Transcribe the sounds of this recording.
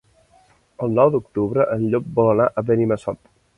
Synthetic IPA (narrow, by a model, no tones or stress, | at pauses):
əlˠnɔwd̪ukt̪uβɾəʔənʎop̚bɔlənaʔəβəniməsɔt̪